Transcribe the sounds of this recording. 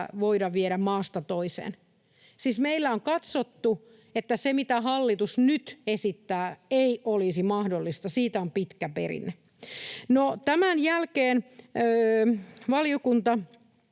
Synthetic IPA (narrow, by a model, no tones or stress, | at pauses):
ʋoiɾɑʋʋieɾæmmɑːst̪ɑt̪oisḛːn | siːsmeilːæoŋkɑt̪sot̪ːu | et̪ːæsemit̪æɦɑlːit̪usnyt̪esit̪ːæːeiʔolisimɑhdolːist̪ɑsiːt̪æompit̪kæpḛrḭnːˑe | not̪æmænjælkeːnøːʋɑljokunt̪ɑ